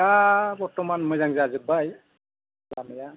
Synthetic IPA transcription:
abɔɹtɔmanmojzaŋzaazɯbaj | bamɛja

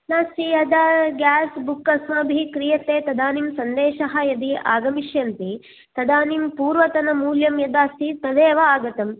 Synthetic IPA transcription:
naːsijɐd̪aɡaːsbukːɐsmɐbʱikɾijɐt̪eːt̪ɐd̪aːnimsɐnd̪eːʃɐɦɐjɐd̪iʔa̰ːɡɐmiʃjɐnt̪i | t̪ɐd̪aːnimpuːɾʋɐt̪ɐnɐmuːljɐmjɐd̪aːsit̪ɐd̪eːʋɐaːɡɐt̪ɐm

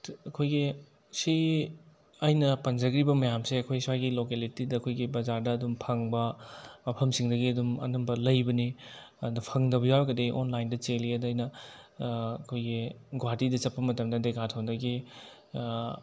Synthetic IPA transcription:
ɐkʰojɡi | si | ɐjnɐpɐnd͡ʒɐɡɾibɐmɐjamseɐkʰojsajɡilokelitidɐɐkʰojɡibɐzaɾdɐːdumpʰɐŋbɐmɐpʰɐmsiŋdɐɡiɐdumɐ̰nɐmbɐlɐjbɐni | nɐpʰɐŋdɐbɐjawɾɡɐdeʔonlajndɐt͡ʃeliedɐjnɐː | kʰojɡiɡwaɾdidɐt͡ʃɐpːɐmɐtɐmdɐdeɡatʰɐwndɐɡi

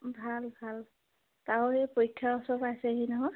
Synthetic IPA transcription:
bʱalbʱal | taɹɔɛpojkʰːaɔsɔpajsɛɦinɔɦɔj

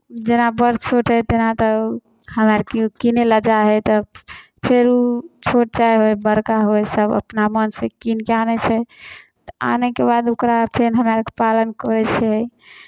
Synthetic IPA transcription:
d͡ʒenabəɾt͡ʃʰoʈɦɛt̪enat̪ɔ | həmaɾkekineləd͡ʒaɦɛt̪ɔ | pʰeɾut͡ʃʰoʈ̚t͡ʃajɦojbəɾkaɦojsəbə̰pnamənsekinkeanɛt͡ʃʰɛ | t̪ɔa̰nekebad̪okɾapʰenɦəmaɾkepalənkɔɾɛt͡ʃʰɛ

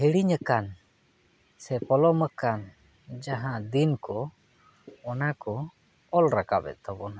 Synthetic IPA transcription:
hiɽiɲəkan | sɛpɔlɔməkan | d͡ʒaɦãd̪inkɔ | ɔnakɔ | ɔlɾakabɛ̰t̪̚t̪abɔna

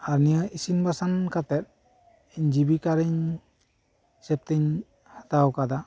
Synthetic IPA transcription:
aɾnijaisinbasankʰatɛt̚ | eɲd͡ʒibikaɾiɲ | sɛp̚teɲ | hat̪awkad̪a

